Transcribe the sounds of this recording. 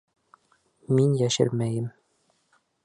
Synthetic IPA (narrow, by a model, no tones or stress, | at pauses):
minjæʃɘ̰ɾmæjɘm